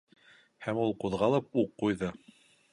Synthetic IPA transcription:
hæmulˠquðʁɑlˠɤp̚uqːujðɤ

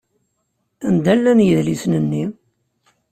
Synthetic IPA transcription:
ænd̪ælːænjəðlisnənːi

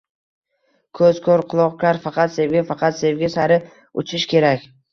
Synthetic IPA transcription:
kʰɵz̥kʰoɾqʰʊlˠɒqlaɾfɑqʰɑt̪se̞vɡʲafɑqʰɑt̪se̞vɡʲasaɾɪ | ʊ̰t͡ʃʰɪʃkʲʰe̞ɾakʲ

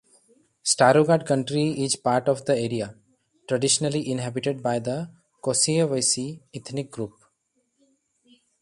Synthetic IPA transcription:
sʈaɾoɡaɖ̚kʌ̃ɳʈɾiɪzpaːɾʈɔʋd̪əeːɾia | ʈɾəɖɪʃənəliʔɪ̃nɦæbiʈeɖ̚baɪd̪ə | kosiəʋəɪsiɪt̪ʰnik̚ɡɾuːp

